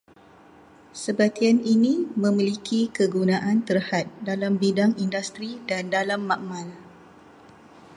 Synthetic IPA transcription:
səbat̪ianinĩmə̃milikʰikəɡunãʔant̪ərhat̪̚dalambidaŋindust̪ɾidandalamːaʔmãl

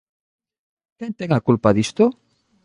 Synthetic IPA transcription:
kɛnt̪eŋakulpaðist̪o

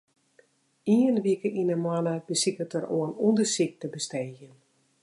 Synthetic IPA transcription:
iənʋikəʔinəmwanəbəsikətəɾoənundəsik̚təbəstɛːɣjən

